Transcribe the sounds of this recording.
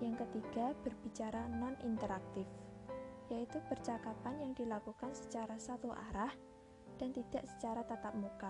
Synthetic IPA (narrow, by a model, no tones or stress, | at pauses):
jaŋkət̪iɡ̥ab̥ərb̥it͡ʃaɾananʔint̪əɾak̚t̪ɪf | jait̪upərt͡ʃakapanjaŋdilakukansə̥t͡ʃaɾasat̪uʔa̰ɾah | d̥ant̪id̥aʔsə̥t͡ʃaɾat̪at̪ap̚muka